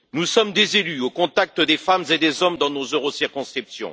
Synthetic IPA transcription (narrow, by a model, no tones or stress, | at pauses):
nusɔmd̪ezelyokɔ̃t̪ak̚t̪əd̪efamzed̪ezɔmd̪ɑ̃nozøʁosiʁkɔ̃skχipsjɔ̰̃